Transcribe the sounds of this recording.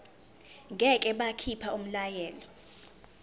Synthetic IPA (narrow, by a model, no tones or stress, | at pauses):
ŋɡʱɛkʼɛɓakʰipʰaum̩lajɛːlɔ